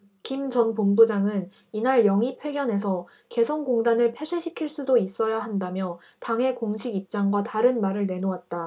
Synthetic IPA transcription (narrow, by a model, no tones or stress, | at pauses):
kimt͡ɕʌnpombud͡ʑaŋɯn | inaɭjʌŋipʰwe̞ɡjʌne̞sʰʌ | ke̞sʰʌnɡoŋdanɯɭpʰe̞sʰeɕʰikʰiɭs͈udois͈ʌjaɦandamjʌ | taŋɦe̞koŋɕʰiɡip̚t͡ɕ͈aŋɡwataɾɯnmaɾɯɭne̞nowat̚t͈a